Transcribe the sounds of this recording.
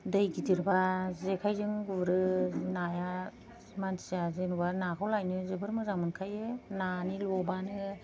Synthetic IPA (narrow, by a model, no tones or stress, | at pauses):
dɯjɡitʰiɾbazekʰajzɯŋɡuɾɯnaja | mantʰi̥zazenubanakʰawlajnɯzɯbɯɾmɯzaŋmɯnkʰajɯnanilɔbanɯ